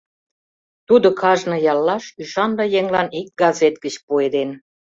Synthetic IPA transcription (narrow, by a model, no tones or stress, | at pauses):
t̪ud̪okɑʒnɤ̆jɑlːɑʃyʃɑnd̪ɑjeŋlɑnik̚ɡɑzet̪̚ɡət͡ɕpued̪en